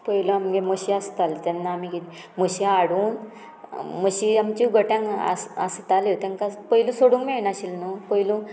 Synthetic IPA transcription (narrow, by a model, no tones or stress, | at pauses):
pəiloamɡeməɕiast̪alt̪ɛnːaːmiɡi | məɕiaɽuːn | məɕiamt͡ɕiɡəʈjãŋa̰a̰st̪alit̪ãŋkapəilusoɽũŋɡmenaɕilnupəilũ